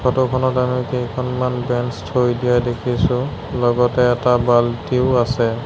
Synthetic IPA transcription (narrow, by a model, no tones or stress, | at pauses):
kʰɔtɔkʰɔnɔtamikejkʰɔnmanbɛnstʰojdijajdekʰisʊ̃ | lɔɡɔtɛːtabaltiʊasɛ